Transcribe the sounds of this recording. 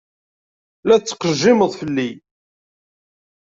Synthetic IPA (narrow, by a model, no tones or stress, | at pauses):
læt͡sːə̥qːəʒːɪməðˤfəlːi